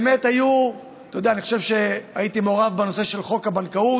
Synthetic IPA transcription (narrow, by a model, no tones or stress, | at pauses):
me̞taju | t̪ajodeaniχo̞̥ʃevʃe̞aitimeoʁavbeno̞se̞ʃe̞lχo̞kabankau